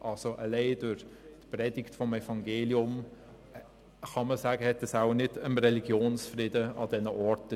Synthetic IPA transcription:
ʔɑlsoʔəlɛɪd̥ʊʁtprɛd̥ɪktfɔmɛfɑŋɡeːliʊm | χɑməsæːɡəhɛtːəsaʊnɪdəmrɛliɡ̥joːnsfrɪːdəɑdɛnəʔɔɾt

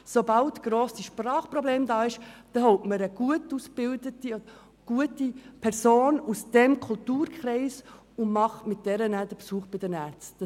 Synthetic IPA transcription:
sobɑltɡ̥ɾoːsiʃprɑːχprɔbleːmd̪ɑːɪʃd̪̥ɛhɔʊtməɾəɡ̥uətusb̥ɪldətiɔ | ɡ̥uətipʰɛɾsoːnusd̪̥ɛmkʰʊltuːɾkχɾɛɪs | ʊnmɑχmɪt̚d̥ɛɾənæd̪əpsuːχb̥ɪdənæːɾt͡st

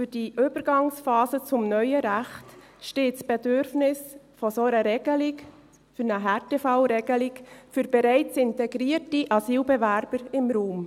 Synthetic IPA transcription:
fyɾd̥iʔʏbəɾɡɑŋsfɑːzət͡sʊmnœʏəɾæxt | ʃteːtsb̥ɛdøɾfnɪsfɔsoɾəɾɛɡ̥əlɪk | fyɾnəɦætefaʊɾɛɡ̥əlɪkfyɾbɛɾɛɪt͡sɪntɛɡɾiərtiʔɑsiːlbɛvæɾb̥əɾɪmɾuːm

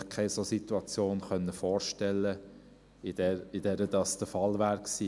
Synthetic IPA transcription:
kʰaɪsosit̪uɑt͡sjoːnχœnːəfɔːɾʃtɛlːə | ɪd̥ɛɪdɛɾədɑːsd̥əfɑlʋæːɾksiː

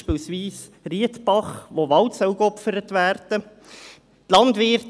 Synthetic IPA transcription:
piːlsʋiːs | riətb̥ɑχʋoʋɑltsœwkɔpfəɾətʋæːrd̥ə | tlɑndʋɪrt

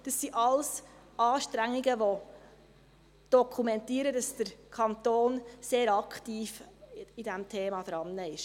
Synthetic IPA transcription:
d̥ɑsːiʔɑlsɑːʃtɾæŋːiɡəʋo | d̥ɔkʰumɛntiəɾəd̥ɑsd̥əɾkʰɑnt̪oːnseːɾɑktiːfidɛmtʰeːmɑd̥ɾɑnːəɪʃ

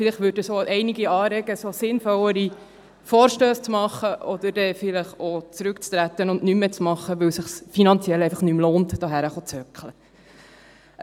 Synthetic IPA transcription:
fɪlɪχtʋʏɾdəsoʔɛɪniɡiɑːɾɛɡəsosɪnfɔwəɾi | foːɾʃtøːst͡smɑχəʔɔd̪əɾdɛfɪləχot͡sɾʉkt͡st̪ɾæt̪ːənʊndnymːet͡smɑχːəʋɵwsəχsfinɑnt͡sjɛlɛɪfɑχnymloːnt̪d̥ɑɦæɾəχot͡sœkχlə

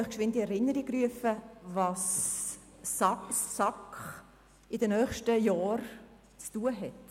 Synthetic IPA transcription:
ɪχkʃʋɪntiɛɾɪnːəɾiryəfəvɑːsː | ɑsːɑkχ | ɪdənœːχʃtəjɑːɾ | t͡stuːəɦɛt

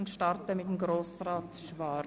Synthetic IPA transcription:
ʊntʃtɑɾtəmɪt̚emɡɾoːsraːtʃvɑ

